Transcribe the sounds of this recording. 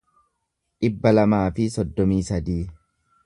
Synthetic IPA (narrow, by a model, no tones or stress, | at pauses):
ᶑɪbːɐlɐmaːfɪsɔd̪ːɔmiːsɐd̪iː